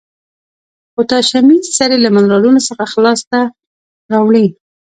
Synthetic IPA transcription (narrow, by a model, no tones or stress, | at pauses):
ot̪ɑʃamisaɾelamanɾɑlunosəxaxlɑst̪a | ɾɑwɽi